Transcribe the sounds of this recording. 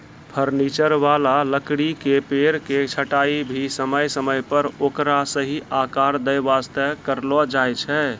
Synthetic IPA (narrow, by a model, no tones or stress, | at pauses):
pʰəɾnit͡ʃəɾʋalaləkɽikepeɾket͡ʃʰəʈaibʱisəməjsəməjpəɾokɾasəɦiʔakaɾd̪əjʋast̪əkəɾlɔd͡ʒajt͡ʃʰɛ